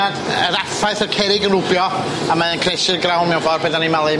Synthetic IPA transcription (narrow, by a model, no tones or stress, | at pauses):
adəɾafaɨθərkʰɛɾɪɡənrʊbjɔ | amaðənkʰrɛʃɨrɡrawnmɛvɔrbeðanimalˠɨ